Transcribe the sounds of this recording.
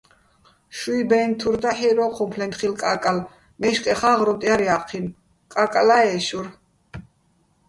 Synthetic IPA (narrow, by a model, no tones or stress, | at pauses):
ʃuibɛnt̪ʰuɾd̪aħiɾɔqʰɔmpʰlɛnt̪χilkʼakʼal | mɛʃkʼɛχaʁɾɔt̪ʼiaɾiaqʰin | kʼakʼalaɛʃuɾ